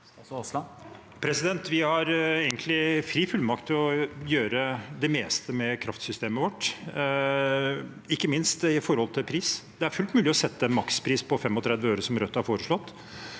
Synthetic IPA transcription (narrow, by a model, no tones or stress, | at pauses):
pʰɾɛsɪd̪ɛnt̪ʋɪhɑɾeːɡənt̪lɪfɾiːfʉlmɑk̚t̪ʰːɪlɔjøːɾəd̪ɛmeːst̪əmɛkʰɾɑft̪sʏst̪eːməʋɔʈː | ɪkːəmɪnst̪ɪfɔɾhɔlt̪ʰɪlpʰɾiːsd̪ɛæɾfʉlt̪mʉːlɪɔsɛt̪ːəɛnmɑkspʰɾiːspʰɔfɛmːɔt̪ʰɾɛd̪ʋəøːɾəsɔmɾœt̪ːɑhæɾfoːɾəʂlɔt̪ː